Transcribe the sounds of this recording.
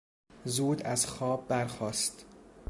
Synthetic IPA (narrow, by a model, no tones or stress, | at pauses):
zuːd̪æzxɒːbːæɾxɒːst̪